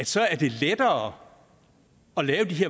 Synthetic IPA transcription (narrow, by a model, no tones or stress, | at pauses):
æ̥sɒ̽æɐd̥e̝led̥ɐː | ɒ̽lɛːʊd̥iɦeɐ̰